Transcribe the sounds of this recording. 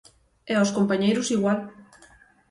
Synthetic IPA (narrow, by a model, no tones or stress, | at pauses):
ɛɔskompaɲejɾʊsiɣwal